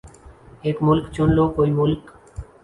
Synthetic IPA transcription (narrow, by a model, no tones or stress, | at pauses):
eːkmʊlkt͡ʃʊnloːkoːiːmʊlk